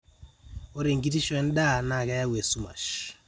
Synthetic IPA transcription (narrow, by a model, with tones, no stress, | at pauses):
ɔ˦ɾe˨ŋɡi˦ti˦ʃwɛ˦n˦ɗa˦˨na˨ka˦ja˦wɛ˨su˦ma̰˨ʃ